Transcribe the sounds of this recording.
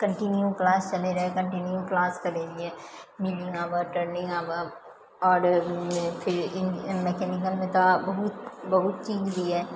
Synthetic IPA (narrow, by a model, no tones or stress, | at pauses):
kə̃ɳʈɪnjuklaːst͡ʃɐleɾɐɦekɐ̃ɳʈɪnjuklaːskɐɾeːd͡ʒiɛːmɪlɪ̃ŋɡaːʋəʈəɾnɪ̃ŋɡaːba | ɔːɾ | pʰɪɾɪnmɛkɛːnɪkəlmẽt̪obɐɦʊt̪bɐɦʊt̪̚t͡ʃiːd͡ʒb̪iɦɛː